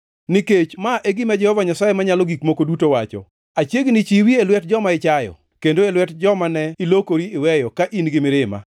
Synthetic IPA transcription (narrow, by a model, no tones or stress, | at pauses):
niket͡ʃmaʔeɡɪmad͡ʒɛhɔvaɲasajemaɲalɔɡikmokodutowat͡ʃɔ̰ | at͡ʃjeɡnit͡ʃiwielwɛt̚d͡ʒɔmaɪt͡ʃajɔ̰ | kendoelwɛtd͡ʒɔmanɛɪlokoɾiɪwɛjɔkaʔinɡɪmɪɾɪma̰